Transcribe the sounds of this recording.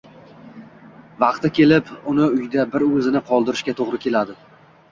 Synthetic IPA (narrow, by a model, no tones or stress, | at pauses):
vɑqt̪ɪkʲʰe̞lɪpʊnɪʊjd̪abɪɾɵzɪnɪqʰɒlˠd̪ɪɾɪʃkʲat̪ʰoʁɾɪkʲʰe̞lad̪ɪ